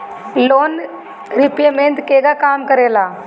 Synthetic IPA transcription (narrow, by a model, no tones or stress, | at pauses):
loːn | ɾipjemẽnt̪keɡakaːmkəɾela